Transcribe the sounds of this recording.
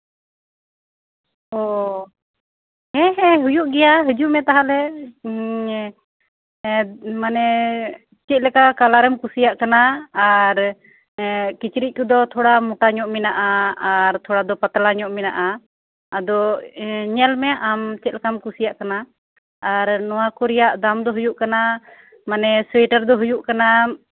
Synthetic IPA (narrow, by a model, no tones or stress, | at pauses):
ɔ | hɛɦɛɦujuʔɡɛjaɦəd͡ʒuʔmɛt̪aɦalɛ | manɛ | t͡ʃɛt̪̚ˀlɛkakalaɾɛmkusijaʔkanaːɾ | kit͡ʃɾic̚kud̪ɔt̪ʰɔɽamuʈaɲɔʔmɛnaʔaaɾt̪ʰɔɽad̪ɔpat̪alaɲɔʔmɛna̰ʔaː | d̪ɔ | ɲɛlmɛʔamt͡ʃɛt̪̚lɛkamkusijaʔkanaː | ɾnɔwakɔɾijaʔd̪amd̪ɔɦujuʔkana | manɛswɛʈəɾd̪ɔɦujuʔkana